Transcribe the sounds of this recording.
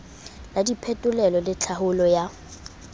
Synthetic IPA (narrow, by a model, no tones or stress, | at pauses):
ladipʰɛtʼʊlɛlɔlɪt͡ɬʰahʊlɔja